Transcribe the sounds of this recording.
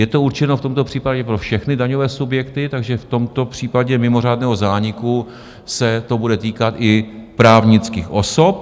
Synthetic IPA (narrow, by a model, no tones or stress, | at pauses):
jɛt̪o̞uɾt͡ʃɛnoft̪o̞mt̪o̞pr̝̥iːpaɟɛpɾo̞fʃɛxnɪdaɲovɛːsubjɛkt̪ɪt̪aɡʒɛft̪o̞mt̪o̞pr̥iːpaɟɛmɪmo̞r̝aːdnɛːɦo̞zaːɲɪku | sɛt̪o̞budɛt̪iːkat̪ʔɪpɾaːvɲɪt͡skiːxʔo̞so̞p